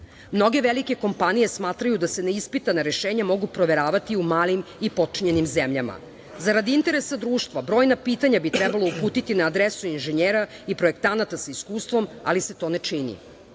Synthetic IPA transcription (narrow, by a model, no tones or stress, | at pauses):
mno̞ɡe̞ʋelike̞ko̞mpanije̞smaːt̪ɾajud̪ase̞neispit̪anaɾeʃeːɲamo̞ɡupɾoʋe̞ɾaːʋat̪iumaːlimipo̞t͡ʂiɲe̞nimzemʎama̰ | zaɾad̪iint̪e̞ɾesad̪ɾuːʃt̪ʋabɾoːjnapiːt̪aɲabit̪ɾɛbalˠo̞upuːt̪it̪inaːd̪ɾesuinʒeɲeːɾaipɾo̞ekt̪anat̪asaiskuːst̪ʋo̞ma̰liset̪o̞ːnet͡ʂinḭ